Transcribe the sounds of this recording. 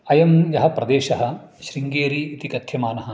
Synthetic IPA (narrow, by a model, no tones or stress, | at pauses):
ɐjɐmjɐɦɐ̆pɾɐd̪eːʃɐɦɐ̆ʃɾiŋɡeːɾiːt̪ikɐt̪ʰjɐmaːnɐɦɐ̆